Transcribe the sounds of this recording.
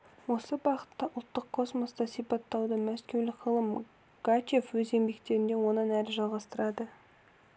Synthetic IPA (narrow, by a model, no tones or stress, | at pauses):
wo̞səbɑʁət̪ːɑʔʊlˠt̪ːəqʰːo̞smo̞st̪ɑsijpɑt̪ːɑwd̪əmæskʲe̞wlɪqʰəlˠəm | ɡ̥ate̞fwɵze̞mbe̞k̚t̪e̞ɾɪnd̪e̞wo̞nənæɾɪʒɑlˠʁɑst̪əɾɑd̪ə